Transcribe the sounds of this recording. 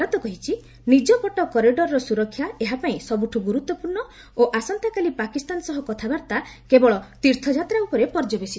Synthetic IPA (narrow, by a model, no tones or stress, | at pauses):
ɔt̪ɔkɔɦit͡ʃʰi | nid͡ʒɔpɔʈɔkɔɾiɖɔɾɔɾɔsuɾɔkʰːjaeɦapaĩsɔbuʈʰuɡuɾut̪wɔpuɾɳɔ | oʔasɔnt̪akalipakist̪anɔsɔɦɔkɔt̪ʰabaɾt̪akebɔɭɔt̪iɾt̪ʰɔd͡ʒat̪ɾaupɔɾepɔɾd͡ʒɔbesi